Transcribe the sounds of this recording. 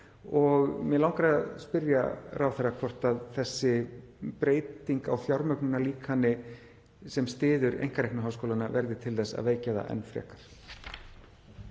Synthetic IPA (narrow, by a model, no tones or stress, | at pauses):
ɔɣmɛðlawŋkaɾaaðspɪɾja̰rʔawθɛrːakʰvɔr̥t̪aðθɛsːɪ | pɾeːjt̪iŋkawfjawɾmœknʏnaliːkhanːɪ | sɛmst̪ɪːðʏɾḛjŋ̥kaɾejknʏɦaːwskowlanavɛɾðɪt̪ʰɪlθɛsːa̰ðveːjcaða̰ʔɛ̰nfɾɛ̰ːkaɾ̥